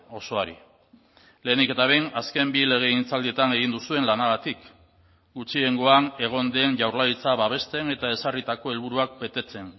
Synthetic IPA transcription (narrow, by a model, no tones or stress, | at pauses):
o̞so̞aɾḭ | le̞ːnike̞t̪aβ̞ejnaske̞mbile̞ɣ̞e̞int͡sald̪ie̞t̪ane̞ɣ̞ind̪usue̞nlanaɣat̪ik | ɡut͡ʃie̞ŋɡo̞ane̞ɣ̞o̞nd̪e̞nʝawɾlait͡saβaβ̞e̞st̪e̞ne̞t̪ae̞sarit̪ako̞e̞lβ̞uɾuak̚be̞t̪e̞t͡se̞n